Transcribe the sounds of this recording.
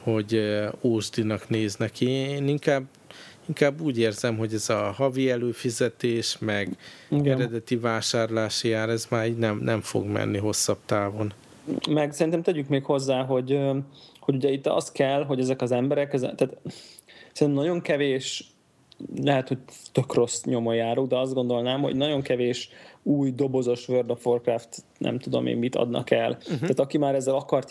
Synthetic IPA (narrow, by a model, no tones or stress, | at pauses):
ho̞ɟoːʒd̪inɒkneːznɛkieeːniŋkaːb | iŋkaːbːuːɟeːrzɛmɦo̞ɟɛzɒhɒviɛløːfizɛt̪eːʃmɛɡɛɾɛd̪ɛt̪ivaːʃaːrlaːʃjaːɾɛzmaːɾiːɟnɛmnʔɛɱfo̰ɡmɛ̰nːiɦo̞sːɒb̚t̪aːvo̞n | mɛɡsɛɾint̪ɛmt̪ɛɟykmeːkho̞zːaːɦo̞ɟ | ho̞ɟuɟɛit̪ːɒ̰st̪kɛlːɦo̞ɟɛzɛkɒzɛmbɛɾɛkɛzɛt̪aːt̪ | sɛrit̪ɛmnɟo̞ŋkɛveːʃ | lɛɦɛt̪ho̞c̚t̪økro̞sɲo̞mojaːɾoːɡd̪ɛɒzd̪ɡo̞nd̪o̞lnaːmho̞̰ɟnɒɟo̞ŋkɛveːʃuːjd̪o̞bo̞zo̞ʃvørd̪opfo̞rkraft̪ | nʔɛ̰mt̪ud̪o̞̰mḛːmmit̪ɒ̰d̪nɒ̰kɛlaːt̪ɒkimaːɾɛzːɛlɒkɒrt̪